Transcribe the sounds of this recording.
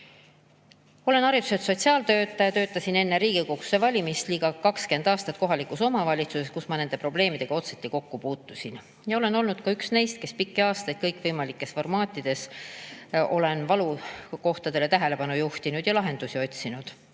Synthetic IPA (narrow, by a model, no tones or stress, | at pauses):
o̞le̞nɑɾit̪u̥set̪so̞t̪ʲsiɑːlt̪ø̞ːt̪ːˑɑjɑt̪ø̞ːt̪ːˑɑsine̞nːeɾiːɡ̥ikoksevɑlʲimist̪liːɡ̥ɑkɑkske̞nd̪ɑːst̪ɑt̪̚ko̞ɦɑlikˑuso̞mɑvɑlʲit̪suse̞skusmɑne̞nd̪e̞pro̞ble̞ːmid̪e̞ɡ̥ɑo̞t̪set̪ːiko̞kːupuːt̪ːusʲin | jɑo̞le̞no̞lnud̪kɑyksne̞jst̪̚ke̞spikːeɑːst̪ɑjd̪̚kɤjkˑvɤjmɑlikːˑe̞sfo̞rmɑːt̪ʲːˑid̪̥e̞s | o̞le̞nvɑluko̞ht̪ɑd̪̥e̞le̞t̪æɦe̞le̞pɑnujuht̪inud̪̥jɑlɑɦe̞nd̪̥usʲio̞t̪ʲsinud̪̥